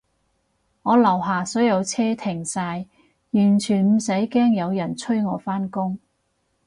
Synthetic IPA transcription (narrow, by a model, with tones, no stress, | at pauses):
ŋɔː˨˧lɐ˨˩wɦaː˨sɔː˨˥jɐ˨˧wt͡sʰɛː˥t̪ʰɪ˨˩ŋsaː˧j | jyː˨˩nt͡ʃʰyː˨˩nm̩˨˩sɐ˨˥jkɛː˥ŋjɐ˨˧wjɐ˨˩nt͡sʰɵ˥ɥŋɔː˨˧faː˥nkʊ˥ŋ